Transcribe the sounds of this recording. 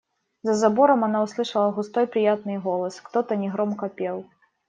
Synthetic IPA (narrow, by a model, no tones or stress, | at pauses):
zɐzabɔɾɐmanauslˠɨʂɐlˠɐɣust̪ɔjpɾɨjat̪nɨjɣɔlˠɐskt̪ɔt̪ɐnʲɛɣɾɔmkɐpʲɛlˠ